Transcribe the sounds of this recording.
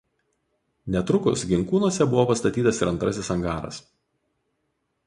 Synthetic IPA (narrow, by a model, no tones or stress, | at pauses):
nʲɛt̪ɾʊkʊsɡʲɪŋkuːnuɔsʲɛbʊʋoːpɐst̪ɐt̪ʲiːt̪ɐsɪɾɐnt̪ɾɐsʲɪsɐŋɡɑːɾɐ̰s